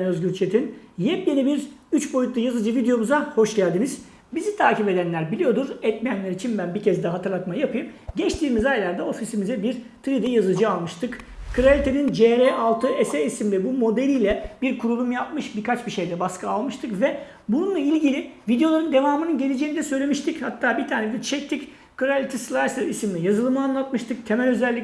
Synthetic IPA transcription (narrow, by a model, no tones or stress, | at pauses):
nøzɟʲyɾt͡ʃʰet̪ʰinjɛp̚jenibiɾyt͡ʃbo̞jut̪lˠujazɯd͡ʒɯvid̪ejo̞muzaho̞ʃɟælʲd̪iniz̥ | bizit̪ʰaːcipe̞d̪ænlʲæɾbilʲijo̞d̪uɾɛt̪mijænlʲeɾit͡ʃʰinbænbicʰɛzd̪ɛɦat̪ʰɯɾlˠat̪majapʰɯjɯmɟɛt͡ʃt̪ʰiːmizajlʲˠaɾd̪ao̞fisimizɛbiɾ | t̪ʰɾid̪ijazɯd͡ʒɯalˠmɯʃt̪ʰɯkkʰɯɾalʲit̪ʰe̞nind͡ʒeɾeʔalˠt̪ʰɯesɛisimlʲɛbumo̞d̪elʲijlʲɛbiɾkʰuɾulˠumjap̚mɯʃbiɾkat͡ʃbiʃe̞jd̪ɛbaskʰɯalˠmɯʃt̪ʰɯkvɛ | bununlˠailʲɟilʲivid̪ejo̞lˠaɾɯnd̪e̞vaːmɯnɯnɟe̞lʲed͡ʒeinid̪ɛsø̞jlʲemiʃt̪ʰichat̪ʰːaːbit̪ʰaːned̪ɛt͡ʃʰɛk̚t̪ʰic | kʰɯɾalʲit̪ʰislˠaɾsɯisimlʲijazɯlˠɯmɯanlˠat̪̚mɯʃt̪ʰɯk̚t̪ʰe̞mɛlʲø̞zɛlʲːi